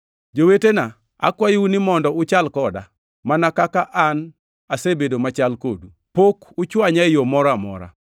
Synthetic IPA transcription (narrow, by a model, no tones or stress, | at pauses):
d͡ʒowetena | a̰kwajunɪmɔndɔʊt͡ʃalkɔda̰ | manakakaʔan | asebedomat͡ʃalkodu | pokʊt͡ʃwaɲajomɔɾamɔ̰ɾa̰